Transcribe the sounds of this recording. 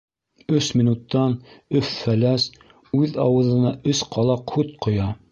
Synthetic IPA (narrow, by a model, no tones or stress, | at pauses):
ɵsminut̪ːɑnɵfːælæs | ʉðɑwɤ̆ðɤ̆nɑʔɵsqʰɑlˠɑqhʉt̪̚qŏjɑ